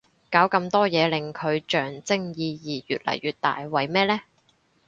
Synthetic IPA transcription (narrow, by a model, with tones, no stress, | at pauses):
kaː˨˥wkɐ˧mt̪ɔː˥jɛː˨˧lɪ˨ŋkʰɵ˨˧ɥt͡ʃœː˨˩ŋt͡sɪ˥ŋjiː˨˧jiː˨jy̰ː˨t̚lɐ̰˨˩jːyː˨˩t̚t̪a̰ː˨jwɐ˨jmɛː˥lɛː˥